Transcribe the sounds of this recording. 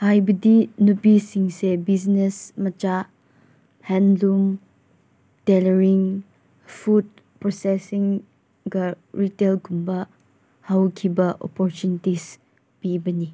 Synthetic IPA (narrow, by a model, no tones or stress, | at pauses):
hajbɐdinupisiŋsebisnesmɐt͡ʃa | hɛnlum | teleɾiŋ | fʰud̚ | pɾɔsesiŋ | ɡɐ | ɾitelkumbɐ | hawkʰibɐʔɔ̰pɔɾt͡ʃunitis | pibɐni